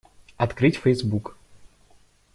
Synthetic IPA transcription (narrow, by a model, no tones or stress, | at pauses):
ɐt̪kɾɨtʲfɛjzbuk